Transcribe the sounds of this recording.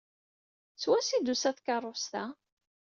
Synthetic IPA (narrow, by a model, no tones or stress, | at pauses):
swæsid̪usæθkɑrˤːost̪a